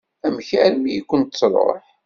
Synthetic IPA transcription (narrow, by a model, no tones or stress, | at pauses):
æmçæɾmijikʷːʊnt̪t͡sːɾˤo̰ħ